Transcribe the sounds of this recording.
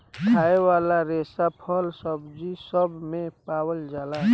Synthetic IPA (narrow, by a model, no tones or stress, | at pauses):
kʰaewalaɾesapʰəlsəbd͡ʒisəbmẽpawəld͡ʒala